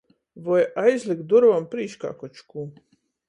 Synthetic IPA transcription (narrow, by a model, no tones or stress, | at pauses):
vɔjajzlʲˠik̪̚d̪uɾvampɾiːʃka̰ːkɔt͡ʃkuː